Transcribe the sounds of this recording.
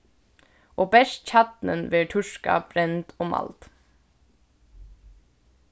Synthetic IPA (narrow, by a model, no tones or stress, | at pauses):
ʔoːbɛʃtc͡çɑt̪nənʋeːʈʰʉʃkɑ̰bɾɛnt̪ʰoːmʔɑ̰lt̪